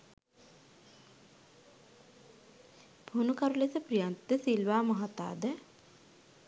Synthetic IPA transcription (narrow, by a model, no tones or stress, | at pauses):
b̥ʱunukaɾulesəprijant̪ːəsilʋaːmɐɦat̪a̰ːd̪ə